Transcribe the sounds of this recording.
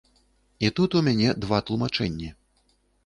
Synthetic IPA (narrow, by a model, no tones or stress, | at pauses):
it̪ut̪umʲanʲɛd̪vat̪lˠumat͡ʂɛnʲːi